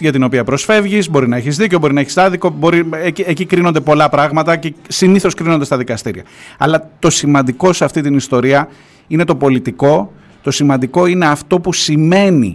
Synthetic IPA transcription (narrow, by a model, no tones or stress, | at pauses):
ʝɐt̪ino̞piɐpɾo̞sfe̞vʝizbo̞ɾinɐeçizðiceo̞bo̞ɾinɐeçisɐðiko̞bo̞ɾieiecikɾino̞nd̪e̞po̞lɐpɾɐɣmɐt̪ɐce̞siniθo̞skɾino̞nd̪e̞st̪ɐðikɐst̪iɾiɐ̰ɐ̰lɐt̪o̞simɐnd̪iko̞seɐft̪it̪inist̪o̞ɾiɐ | ine̞t̪o̞po̞lit̪iko̞ | t̪o̞simɐnd̪iko̞ine̞ɐft̪o̞pusime̞nḭ